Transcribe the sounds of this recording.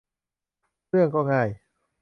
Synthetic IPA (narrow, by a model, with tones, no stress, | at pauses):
ɯ˥˩əŋkɔː˥˩ŋaː˥˩j